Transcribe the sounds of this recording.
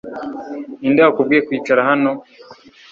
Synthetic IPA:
indaakub̚ɡikwiːt͡ʃaɾaɦano

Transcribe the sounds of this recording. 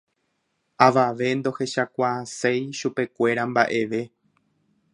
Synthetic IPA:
aʋaʋe̞nd̪o̞he̞ʃakʷaːse̞jʃupe̞kʷe̞ɾambaʔe̞ʋe̞

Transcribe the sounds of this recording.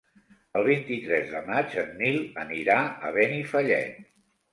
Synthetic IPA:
əlˠβ̞int̪it̪ɾɛzðəmad͡ʒənːilˠəniɾaə̰β̞ɛnifəʎɛ̰t̪̚

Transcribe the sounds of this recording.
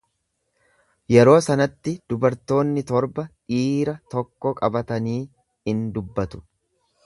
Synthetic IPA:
jɛɾo̞ːsɐnɐt̪ːɪd̪̥ʊbɐɾt̪o̞ːnːɪt̪ɔɾbɐᶑiːɾɐt̪ɔkːɔkʼɐbɐt̪ɐniː | ɪnd̪ʊbːɐt̪ʊ̥

